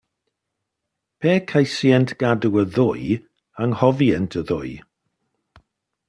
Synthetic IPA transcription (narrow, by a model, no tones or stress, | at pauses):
pʰeːkʰajsjɛntʰɡ̥aduəðʊj | aŋhɔviɛntʰəðʊ̰j